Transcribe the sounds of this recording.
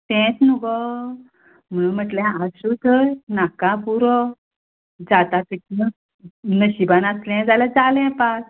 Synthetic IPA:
t̪ɛ̃t͡snuɡɔ | m̤əɭum̤əʈlɛ̃asut̪ʰəjnakãpuɾɔ | d͡zat̪ãt̪əki | nəɕibanaslɛ̃d͡zalad͡zalɛ̃pas

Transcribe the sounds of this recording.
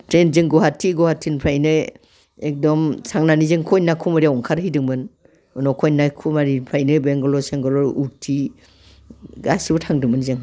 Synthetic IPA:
tɾenzɯŋɡɔɦatʰːiɡɔhatʰːinpʰɾajnɯ | ek̚dɔmsaŋnanizɯŋkʰɔjnakʰumaɾiaɔŋkʰaɾɦidɯŋbɯn | nɔkʰɔjnajkʰumaɾipʰɾajnɯbeŋɡɔlɔseŋɡɔlɔɾutʰi | ɡasibɔtʰaŋdɯŋmɯnzɯŋ

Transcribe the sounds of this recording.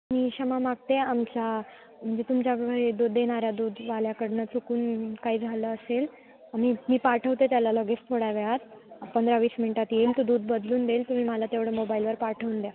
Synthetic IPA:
miːɕəmamaɡ̚t̪eamt͡ɕa | m̤əɳd͡zet̪umt͡ɕakəed̪uːd̪ːeɽ̃aɾjad̪uːd̪ʋaljakəɽɳət͡sukuːnkaiːd͡zʱaləəsel | am̤iːmiːpaʈʰəʋt̪et̪jalaləɡet͡st̪ʰoɽaʋeat̪pənd̪ɾaʋiːsminniʈat̪jemt̪ud̪uːd̪̚bəd̪luːnd̪elt̪um̤iːməlat̪eʋɽəmobailʋəɾpaɾʈʰəʋuːnd̪ja

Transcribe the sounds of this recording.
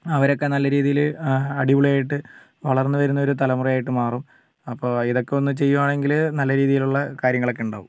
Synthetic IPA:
ɐʋɐɾo̞kːe̞nɐlːɐɾiːðijilɐɽiuɭɐjaːjiʈːɨ | ʋɐɭɐrnːɨʋɐɾunːɐo̞ɾut̪ɐlɐmurɐjaːjiʈːɨmaːrum | ɐpːo̞ːiðo̞kːe̞o̞nːɨt͡ɕe̞jːuʋaːɳe̞ŋɡilnɐlːɐɾiːðijiluɭːɐkaːɾjɐŋːɐɭo̞kːeuɳɖa̰ːʋum

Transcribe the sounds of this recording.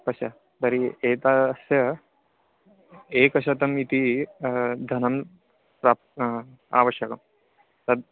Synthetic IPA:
pɐsjɐ | t̪ɐɾieːt̪aːsjɐ | eːkɐʃ̬ɐt̪ɐmit̪i | d̪ʱɐnɐm | pɾaːp̪ | a̰ːʋɐʃjɐkɐm | t̪ɐd̪̚

